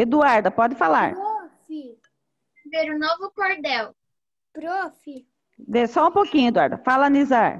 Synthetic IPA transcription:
ɪd̪uaɾd̪ɐpɔd̪ɪfala̰ɾofi | veɾʊnovʊkoɾd̪ɛw | pɾofi | d̪esɔũpokĩɲʊed̪uaɾd̪ɐfalɐnizaɾ

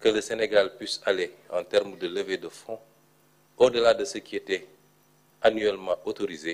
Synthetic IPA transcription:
kələseneɡalpɥisaleɑ̰̃tɛɾmdələvedəfɔ̃ | odəladəsəkiɛtɛ | anyɛlmɑ̃ʔotoɾize

